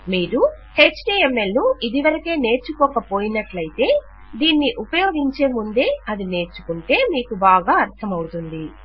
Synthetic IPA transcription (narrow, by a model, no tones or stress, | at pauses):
miːɾu | heːt͡ʃʈiːemːelnuid̪iʋɐɾɐkeːne̞ːɾt͡ʃukɔːkɐpo̞ːjinɐʈlɐjit̪e̞ː | d̪iːnːiʔupɐjoːɡiɲt͡ʃe̞ːmund̪e̞ːɐd̪ine̞ːɾt͡ʃu̥kuɳʈe̞ːmiːkubaːɡaːɐɾt̪ʰɐmɐwut̪und̪i